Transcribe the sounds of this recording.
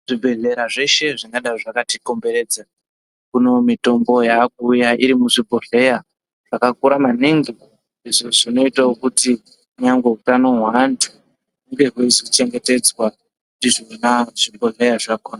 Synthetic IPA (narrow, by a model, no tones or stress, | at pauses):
ʐ̥ibʱe̞ɮe̞ɾaʐe̞ʃe̞ʐiŋɡaɗaiʐakatiko̞mbe̞ɾe̞ːd͡za | kuno̞mito̞mbo̞jak̚uːjaiɾimuʐibʱoɮe̞ja | ʐ̥akakuɾamaniŋɡi | iʐoʐino̞itaokuti | kuɲaŋɡwe̞utano̞ɦwantʰu̥ | kuŋɡe̞ɦweizot͡ʃe̞ŋɡe̞te̞d͡zwa | kudiʐonaʐ̥ibʱoɮe̞jaʐakoːna